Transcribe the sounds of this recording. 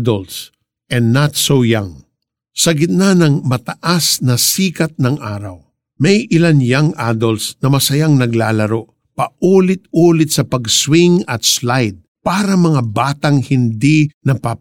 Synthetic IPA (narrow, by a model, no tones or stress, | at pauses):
d̪ols | ʔɛ̃nːat̪sowjaŋ | sɐɡɪt̪̚nanɐŋmɐt̪ɐʔasnɐsiːkɐt̪̚nɐŋʔa̰ːɾɐ̰w | mɛjʔɪlanjaŋʔad̪olsnɐmɐsɐjaŋnɐɡlaːlɐɾoʔ | pɐʔuːlɪt̪̚uːlɪt̪̚sɐpɐɡswiŋɐt̪slajd̪̚paːɾɐmɐŋabaːt̪ɐŋhɪnd̪inɐpa